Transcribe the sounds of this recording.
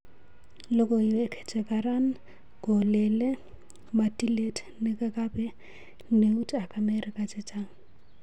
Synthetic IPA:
lɔkʼɔɛkʰɛ̥t͡ʃʼɛkʼaran̩ | kɔlɛlɛ | matʼiletʼ | nɪkʼakʼabɛ | neutʼakʼamɛrɪkʼat͡ʃʼɪt͡ʃʼaŋ̩

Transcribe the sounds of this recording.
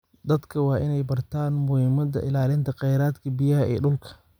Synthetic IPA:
d̪ɐd̪kʰɐwɑːʔɪnɛjbɐrt̪ʰaːnmʊhɪːmɐd̪ɐ̰ʔɪlaːlɪnt̪ʰɐqɑjɾaːd̪kʰɐbɪjɐɦɐʔɛ̰ːɗʊlkʰɐ̥

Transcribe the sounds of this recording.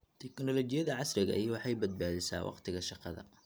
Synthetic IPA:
t̪ʰɛknɔlɔt͡ʃɪjɐðɐʕɑsɾɪɣɐ̰ʔjwɑħɑjbɐd̪̚baːðɪsa̰ːwʔɑ̰qt̪ʰɪɣɐʃɑqɑðɐ̰

